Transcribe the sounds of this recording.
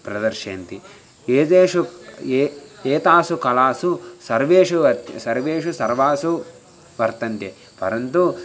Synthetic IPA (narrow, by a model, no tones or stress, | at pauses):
pɾɐd̪ɐɾʂeːnt̪i | eːt̪eːʂu | eːt̪aːsukɐlaːsusɐɾʋeːʂuʋɐt̪sɐɾʋeːʂusɐɾʋaːsu | ʋɐɾt̪ɐnt̪je | pɐɾɐnt̪u